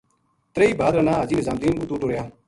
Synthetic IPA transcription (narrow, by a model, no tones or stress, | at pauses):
t̪ɾeiːbaːd̪ɾənãːaːd͡ʒiːnɪzaːmd̪iːnuːt̪uːʈoːɽjaː